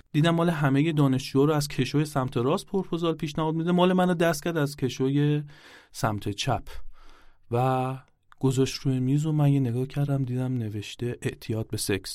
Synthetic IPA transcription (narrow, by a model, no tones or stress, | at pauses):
d̪̥iːd̪æmːɒːle̞ɦæmeje̞d̪ɒːne̞ʃt͡ʃujɒːɾoæzcʰe̞ʃojesæmt̪ʰe̞ɾɒːspʰoɾpʰozɒːlpʰiːʃnæɦɒːd̪mid̪emɒːlemænod̪æst̪̚cʰæɾd̪æzcʰe̞ʃoje̞sæmt̪ʰe̞t͡ʃʰæpʰ | væ | ɡ̥ozɒʃt̪ɾujemiːzomænjeneɡɒːhcʰæɾd̪æmd̪iːd̪æmne̞ve̞ʃt̪e̞ʔeʔt̪ʰijɒːd̪̚be̞seks